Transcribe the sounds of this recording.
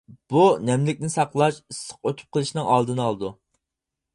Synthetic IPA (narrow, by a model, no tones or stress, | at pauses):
b̥unɛmlɪkʲnɪsɑqlˠɑʃisːəq̚øt̪ʰʊ̥p̚qʰəlˠɨʃnɨŋɑlˠd̪ɨnɑlˠɨd̪u